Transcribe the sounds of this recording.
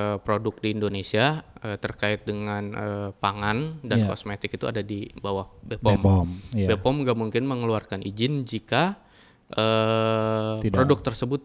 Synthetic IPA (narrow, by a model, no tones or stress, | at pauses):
əpɾodʊk̚diːndonesiaət̪ərkaɪt̪̚dəŋanəpaŋandankɔ̰smet̪ɪkit̪ua̰dadibawahbepɔmɔmbepɔmŋɡaʔmuŋkɪnməŋəluarkanʔid͡ʒɪnd͡ʒika | ʔə | pɾodʊk̚t̪ərsəbʊt̪̚